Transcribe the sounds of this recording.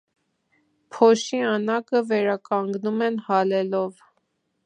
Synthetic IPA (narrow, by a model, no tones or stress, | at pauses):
pʰɔʃiɑnɑkəvɛɾɑkɑŋɡnumɛnhɑlɛlɔv